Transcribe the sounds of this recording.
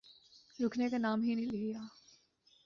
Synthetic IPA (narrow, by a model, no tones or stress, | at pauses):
ɾʊkʰnekanaːmɦinĩlɪijaː